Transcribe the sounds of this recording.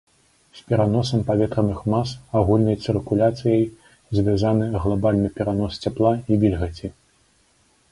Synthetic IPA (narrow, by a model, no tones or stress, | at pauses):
sʲpʲɛɾanɔsɐmpavʲɛt̪ɾɐnɨxmasaɣulʲnɐjt̪sɨrkulʲat̪sɨjɐj | zʲvʲjazanɨɣlˠabalʲnɨpʲɛɾanɔst͡sʲaplˠaivʲilʲɣɐt͡sʲi